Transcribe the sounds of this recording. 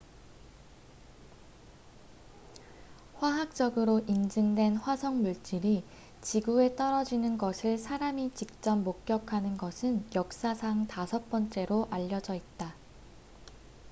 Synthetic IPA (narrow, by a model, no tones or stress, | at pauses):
ɸwaɦak̚t͡ɕ͈ʌɡɯɾoʔind͡ʑɯŋdwe̞nɸwasʰʌŋmuɭt͡ɕ͈iɾi | t͡ɕiɡue̞t͈ʌɾʌd͡ʑinɯnɡʌsʰɯɭsʰaɾamit͡ɕik̚t͡ɕ͈ʌmːok̚k͈jʌkʰanɯnɡʌsʰɯnjʌk̚s͈asʰaŋtasʰʌp͈ʌnt͡ɕ͈e̞ɾoʔaʎːʌd͡ʑʌit̚t͈a